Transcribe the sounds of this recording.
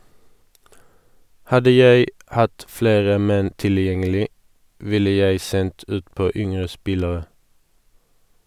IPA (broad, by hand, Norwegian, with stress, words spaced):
ˈhɑdə ˈjæɪ ˈhɑt ˈfleːʁə ˈmɛn tɪlˈjɛŋəlɪ ˈʋɪlə ˈjæɪ ˈsɛnt ˈʉːtˌpoː ˈʏŋʁə ˈspɪləʁə